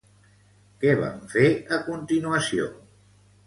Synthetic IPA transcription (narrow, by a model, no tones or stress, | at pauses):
kɛβa̰ɱfeəkunt̪inuəsio̰